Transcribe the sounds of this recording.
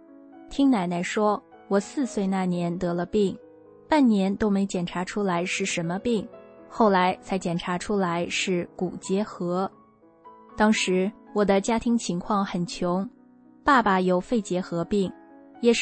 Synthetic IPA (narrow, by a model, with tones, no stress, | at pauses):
t̪ʰi˥ŋna˧˥ɪna˧˥ɪʂwɔ˥ | wɔ˨˩sɹ̩˥˧swe˥˧ɪna˥˩njɛ˧˥nt̪ɤ˧˥lə˧pi˥˩ŋ | pa˥˩nnjɛ˧˥nt̪o˥ʊme˧˥ɪt͡ɕjɛ˨˩nʈ͡ʂʰa˧˥ʈ͡ʂʰu˥la˧˥ɪʂɻ̩˥˩ʂə˧˥nmə˧pi˥˩ŋxo˥˩ʊla˧˥ɪt͡sʰa˧˥ɪt͡ɕjɛ˨˩nʈ͡ʂʰa˧˥ʈ͡ʂʰu˥la˧˥ɪʂɻ̩˥˩ku˨˩t͡ɕjɛ˧˥xɤ˧˥ | t̪ɑ˥ŋʂɻ̩˧˥wɔ˨˩d̪ə˦t͡ɕja˥t̪ʰi˧˥ŋt͡ɕʰi˧˥ŋkʰwɑ˥˩ŋxə˨˩nt͡ɕʰjʊ˧˥ŋ | pa˥˩pa˨˩jo˨˩ʊfe˥˩ɪt͡ɕjɛ˧˥xɤ˧˥pi˥˩ŋjɛ˨˩